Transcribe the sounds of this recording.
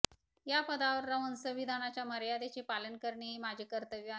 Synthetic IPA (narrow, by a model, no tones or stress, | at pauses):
japəd̪aʋəɾːəʋənsəʋid̪ʱanat͡ɕjaməɾjad̪et͡ɕepalənkəɾɳeɦemad͡ʑʱekəɾt̪əʋj